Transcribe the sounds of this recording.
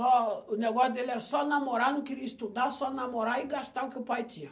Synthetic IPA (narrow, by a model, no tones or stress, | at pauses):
ɔnɛɡɔd̪ɛlɛɾsɔnamɔɾanukiɾist̪ud̪asɔnamɔɾaiɡast̪awkʲupajt͡ʃija